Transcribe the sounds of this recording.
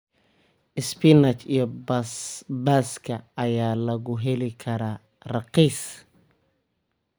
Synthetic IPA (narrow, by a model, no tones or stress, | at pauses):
ʔɪspinɐt͡ʃijɔbɐsbaːskʰɐːjaːlɐɣʊɦɛlɪkʰɐɾa | rɑqiːs